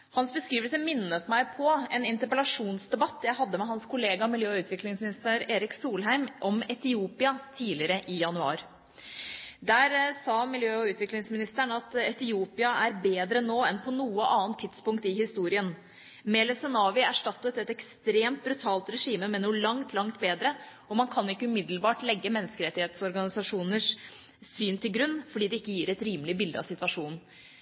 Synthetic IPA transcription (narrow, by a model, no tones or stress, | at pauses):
hɑnsbəskɾiːʋəlsəmɪnːət̪mæɪpʰɔɛnɪnt̪əɾpəlɑʂuːnsd̪ɛbɑt̪ʰːjæɪhɑd̪ːəmɛɦɑnskʰʊleːɡɑmɪljøːʉːt̪ʰʋɪklɪŋsmɪnɪst̪əɾeːɾɪksuːlɦæɪmʔɔmɛt̪ɪuːpɪɑt̪ʰiːlɪəɾəʔɪjɑnʉɑ̰ːɾ | d̪æːɾsɑːmɪljøːɔʉːt̪ʋɪklɪŋsmɪnɪst̪æɳɑt̪ɛt̪ɪuːpɪɑæɾbeːd̪ɾənoːɛnpʰɔnuːəʔɑːnt̪ʰːɪd̪spʊŋkt̪ɪhɪst̪uːɾɪən | mɛːlɛsɛnɑːʋɪæʂʈɑt̪ːət̪ɛt̪ɛkst̪ɾeːmt̪̚bɾʉt̪ʰɑːlt̪ɾɛʂiːməmɛnuːlɑŋt̪ʰlɑŋt̪beːd̪ɾə | ɔmɑnkʰɑnɪkːəʉmɪd̪lbɑːʈlɛɡːəmɛnːəskəɾɛt̪ːɪheːt̪sɔɾɡɑnɪsɑʂuːnəʂ | syːnt̪ɪlɡɾʉnːfɔɖiːd̪ɛɪkːəjiːɾɛt̪ɾiːmlɪəbɪld̪əɑ̰ʋsɪt̪ʋɑʂuːnn̩